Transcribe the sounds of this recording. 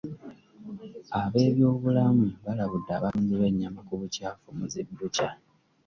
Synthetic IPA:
aβe̞ːβjo̞ːβulamuβalaβudːaːβaːnduβe̞ɲːamakuβucaːfomuzibːuca

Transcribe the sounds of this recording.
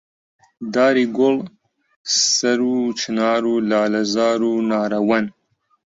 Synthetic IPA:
d̪aːɾiːɡol | sɐɾuːt͡ʃʰɨnaːɾulaːlɐzaːɾuːnaːɾɐwɐn

